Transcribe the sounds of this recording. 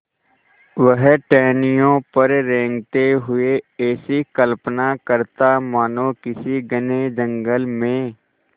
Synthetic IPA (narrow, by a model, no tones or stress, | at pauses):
ʋəɦʈɛːnɪjõpəɾɾẽːŋɡt̪eɦʊeɛːsikəlpnakəɾt̪amaːnõkɪsiɡəned͡ʒə̃ŋɡəlmẽː